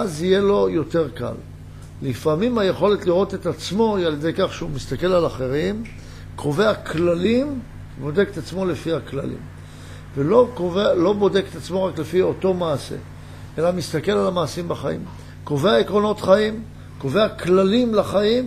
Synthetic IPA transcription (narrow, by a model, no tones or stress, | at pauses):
azije̞lo̞jo̞te̞ʁka̰lː | ifamimaje̞χo̞le̞tliʁo̞t̪et̪at͡smo̞ialjed̪e̞jkaχʃeumist̪ake̞lalaχe̞ʁim | kʰo̞ve̞aklalim | bo̞d̪e̞ket̪at͡smo̞lefiakla̰lḭm | velo̞kovealo̞bo̞de̞ket̪at͡smo̞ʁaklefio̞to̞maːse̞̰ | ʔe̞lamist̪ake̞lalamaːsimbaχaḭm | ko̞ve̞aekʁo̞no̞t̪χaim | ko̞ve̞aklalimlaχaim